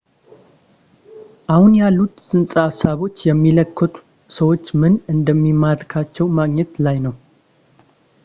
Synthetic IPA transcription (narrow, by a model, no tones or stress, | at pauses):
ʔahunjalːut̪sɨnsʼaasaβo̞t͡ʃːjɛmːiləkːət̪ʼu̥ | səwo̞t͡ʃːmɨnɨnd̪əmːimːad̪ɾkʰat͡ʃːɛwmaɡɲɛt̪lajnəw